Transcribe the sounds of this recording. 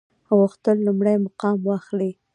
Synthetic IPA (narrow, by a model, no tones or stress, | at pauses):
ɣʊxt̪əlːʊmɽajmaqɑmwɑxli